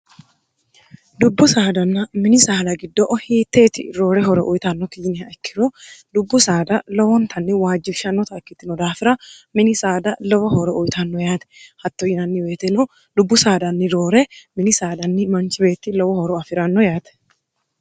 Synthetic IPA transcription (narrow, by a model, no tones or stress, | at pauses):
d̪ʊbːʊsaːd̪ɐnːɐmɪnɪsaːlɐɡɪd̪ːɔʔɔhiːt̪ːeːt̪ɪ̰ɾo̞ːɾɛɦɔɾɔʔʊjt̪ɐnːɔkɪd͡ʒɪnɪɐkːɪɾɔd̪ʊbːʊsaːd̪ɐlɔwɔnt̪ʰɐnːɪwaːd͡ʒːɪfʃɐnːɔt̪ɐkːɪt̪ːɪnɔd̪aːfɪɾɐmɪnɪsaːd̪ɐlɔwɐhɔɾɔʔʊjt̪ʰɐnːɔjaːt̪ɛ̥hɐt̪ːɔjɪnɐnːɪweːt̪ɛnɔ | d̪ʊbːʊsaːd̪ɐnːɪɾoːɾɛmɪnɪsaːd̪ɐnːɪmɐnt͡ʃɪbe̞ːt̪ːɪlɔwɔhɔɾɔɐfɪɾɐnːɔjaːt̪ɛ̥